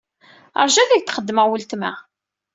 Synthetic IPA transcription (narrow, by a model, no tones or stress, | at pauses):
ə̰ɾˤʒæðæʝt̪χəd̪ːməʁwəlt̪mæ̰